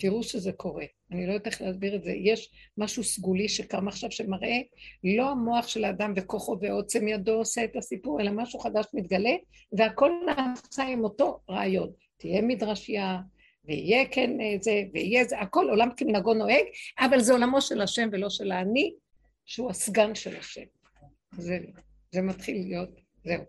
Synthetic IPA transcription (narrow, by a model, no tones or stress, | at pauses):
tiʁuʃezekʰo̞ʁe̞ | anilo̞joteχleasbiʁetzḛjeʃmaʃusɡuliʃekamaχʃavʃe̞maʁʔe̞lo̞amo̞aχʃe̞laːdamve̞koχo̞veo̞t͡semjado̞ːseetasipuʁe̞lamaʃuχadaʃmit̪ɡale̞ | veako̞lnasaimo̞to̞ʁaajo̞n | tijemidʁaʃija | veijekenzeveijezeako̞lo̞lamkeminaɡo̞no̞eɡavalzeo̞lamo̞ʃelaʃe̞mvelo̞ʃe̞laːni | ʃehuasɡanʃḛlaʃe̞̰m | ze | zematχilijo̞t̚ | zeu